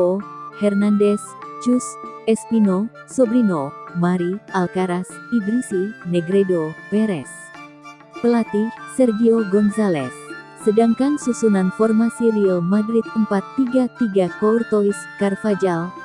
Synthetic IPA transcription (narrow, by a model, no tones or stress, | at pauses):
ohɛrnandɛst͡ʃusɛspino | sɔbɾinomaɾialkaɾasiɡɾisinɛɡɾɛdopɛɾɛs | pəlat̪isɛrɡioɡɔnsalɛ̰sː | ədaŋkansusunanfɔrmasiɾiomadɾit̪̚əmpat̪ːiɡat̪iɡakɔurt̪owiskarfad͡ʒal